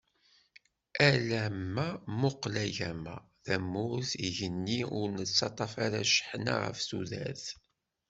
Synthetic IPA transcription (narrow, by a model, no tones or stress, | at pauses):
ælæmːæmʊqlæʝæmæ̰ | ðæmːʊɾθiʝənːiʊɾnət͡sːɑt̪ˤɑfaɾaʃə̥ħna̰ʁə̰fsuðæ̰θ